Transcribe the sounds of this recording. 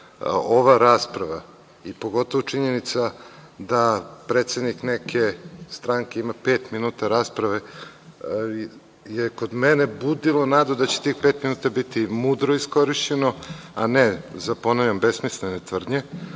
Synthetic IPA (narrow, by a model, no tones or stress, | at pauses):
oʋaɾaːspɾaʋa | ipo̞ɡo̞t̪o̞ʋot͡ʂiɲenit̪sad̪apɾet̪se̞d̪niknekʰe̞st̪ɾaŋke̞imape̞ːt̪minuːt̪aɾaːspɾaʋe̞ | jeko̞d̪menebud̪ilˠonaːd̪od̪at͡ɕe̥t̪iːxpe̞ːt̪minuːt̪abit̪imud̪ɾoisko̞ɾiʃt͡ɕeno̞a̰nezapo̞noʎombesmislenet̪ʋr̩d̪ɲe